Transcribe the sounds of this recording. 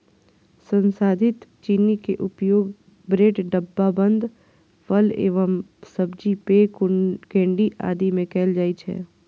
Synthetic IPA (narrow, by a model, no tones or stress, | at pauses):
sə̃nsaːd̪ʱɪt̪t͡ʃiːnikeʔʊpjoːɡ | bɾeːʈɖəbːabə̃nd̪ʱ | fəlḛːʋəmsəbd͡ʒipekkẽːɳɖiʔa̰ːd̪imẽkɛːld͡ʒaːit͡ʃʰɛ̰ː